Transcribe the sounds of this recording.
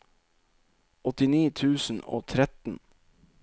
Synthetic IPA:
ɔt̪ɪniːt̪ʰʉːsn̩o̰ːt̪ʰɾɛt̪n̩

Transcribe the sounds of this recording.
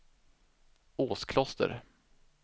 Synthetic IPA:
oːskʰlɔst̪ə̰ɾ

